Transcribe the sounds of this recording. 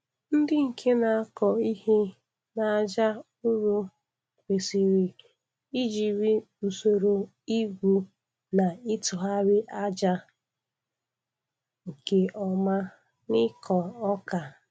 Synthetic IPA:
n̩˦dɪ˦ŋ̩˨kʰe˦na˨a˦kɔ˨i˦he˦ | na˨a˨d͡ʒa˦ | ʊ˦ɾo˦ | kʷe˨si˨ɾi˨ | i˦d͡ʒi˨ɾi˦ | u˨so˨ɾo˨ | i˦ɡʷu˦ | na˨ɪ˦tʊ˨ɦa˦ɾɪ˦ʔa˦d͡ʒa˦ | ŋ̩˨ke˨ʔɔ˨ma˦ | nɪ˦kʰɔ˨ɔ˦ka˨

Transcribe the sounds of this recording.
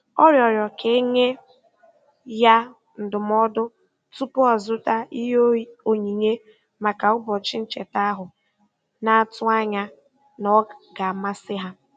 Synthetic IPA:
ɔ˦ɾjɔ˨ɾjɔ˨kʰe˦ɲe˦ | ja˦ | n̩˨dʊ˨m˦ɔ˦dʊ˦ | tu˦pʊ˦ɔ˨zʊ˦ta˦i˦ɦo˨ɲi˨ɲe˦ | ma˨ka˨ʊ˦bɔ˨t͡ʃɪ˦n̩˦t͡ʃe˨ta˦ɦʊ˨ | na˨a˨tʊ˦a˦ɲa˦ | nɔ˦ɡa˨a˨ma˦sɪ˦ɦa˦

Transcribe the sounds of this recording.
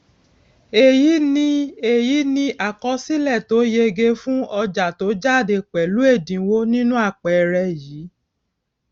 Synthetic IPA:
e˨ji˨˦nĩ˦e˨ji˨˦nĩ˧a˨kɔ˧si˦lɛ˦˨to˨˦je˧ɡe˧fũ˦ɔ˧d͡ʒa˨to˨˦d͡ʒa˦˨de˧˨k͡pɛ˨lu˨˦e˦˨dĩ˨˦wo˦nĩ˦nũ˦a˦˨k͡pɛ˨˧ɾɛ˧jiː˨˦

